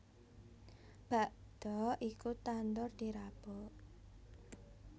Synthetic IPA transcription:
b̥a̤ʔd̪̥ɔʔikut̪and̪ʊrd̪̥iɾab̥ɔ

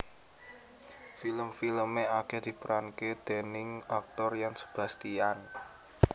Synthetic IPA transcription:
filəmfiləmeaked̪̥i̤pəɾanked̪̥e̤nɪŋak̚t̪ɔrjaŋsə̥b̥a̤st̪ian

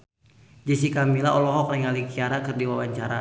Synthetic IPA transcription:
d͡ʒis̬ikamilaɔlɔɦɔkrɛŋalikiaɾakərdiwawaɲt͡ʃaɾa

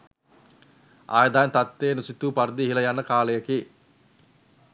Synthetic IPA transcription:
a̰ːjəd̪aːnt̪at̪ːeːnusit̪uːpaɾd̪iɦiləjanːəkaːləjəki

